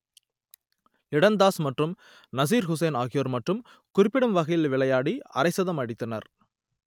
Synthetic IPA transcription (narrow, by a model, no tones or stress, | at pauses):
ɪɽɐnd̪aːsmɐʈrɯm | nɐs̬iːɾɦʊs̬ɐɪnaːɣɪjoːɾmɐʈrɯm | kʊrɪpːɪɽɯmʋɐɣɐjɪlʋɪɭɐjaːɽiɐ̰ɾɐɪsɐðɐmɐɽɪt̪ːɐnɐ̰ɾ